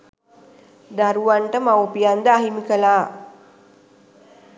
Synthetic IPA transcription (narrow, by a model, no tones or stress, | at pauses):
d̪aɾuʋaɳʈəmawpijand̪əaɦimikəlaː